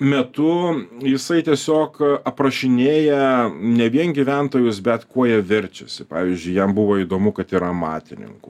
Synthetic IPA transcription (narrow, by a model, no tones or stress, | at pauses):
mʲɛt̪ʊjɪsɐɪt̪ʲiɛsʲoːkɐpɾɐʃʲɪnʲeːjɛnʲɛʋʲiɛnɡʲiʋʲɛnt̪oːjʊsbʲɛt̪kuɔjiɛʋʲɪɾʲt͡ʃʲɛsʲɪpɑ̰ːʋʲizʲd͡ʒʲʊɪjɛmbʊʋoid̪oːmʊkɐt̪iːɾɐmɑ̰ːt̪ʲɪnʲɪ̰ŋkʊ